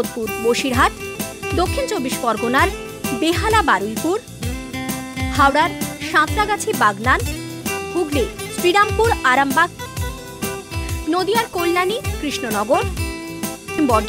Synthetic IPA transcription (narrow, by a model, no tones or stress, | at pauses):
od̪̚puɾboʃiɾɦat̪d̪okʰːint͡ɕobiʃbɔɾɡonaɾ | beɦalabaɾulpuɾ | hawɽaɾʃãt̪ɾaɡat͡ɕʰibaɡnanɡuɡliɾsɾiɽampuɾaɾambaɡ̚ | nod̪ijaɾkolːanikɾiʃnonɔɡoɾ | mbɔɖ